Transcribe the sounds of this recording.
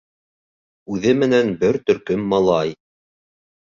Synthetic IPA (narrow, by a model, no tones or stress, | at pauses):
ʉðɘmɘ̆nænbɘɾt̪ɵ̆ɾkɵmːɑlˠɑj